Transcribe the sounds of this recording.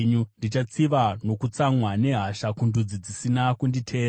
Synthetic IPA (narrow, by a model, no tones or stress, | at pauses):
ɲundit͡ʃat͡siʋano̞kut͡samwane̞ɦaʃakundud͡zid͡zisinakunditʰe̞ː